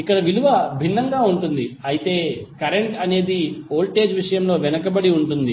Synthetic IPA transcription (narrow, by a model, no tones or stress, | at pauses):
ikːɐɽɐʋiluʋɐbʱinːɐŋɡaːuɳʈund̪iɐjit̪e̞ːkɐɾe̞ɳʈɐne̞ːd̪io̞ːlʈe̞ːd͡ʒʋiʂɐjɐmlo̞ːʋɛnɐkɐbɐɽiuɳʈund̪i